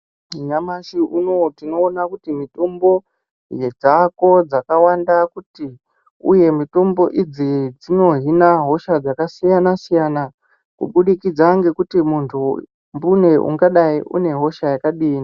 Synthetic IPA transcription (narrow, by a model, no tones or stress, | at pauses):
ɲamaʃiʔuno̞tino̞ːnakutimito̞mbo̞ | jed͡zako̞d͡zakawandakuti | ṵje̞mito̞mbo̞ʔid͡zid͡zino̞ɦinaɦo̞ʃad͡zakasijanasijana | kṵɓuɗikid͡zaŋɡe̞kutimuntʰu | mbune̞ʔṵŋɡaɗaiʔṵne̞ɦo̞ʃajakaɗiːni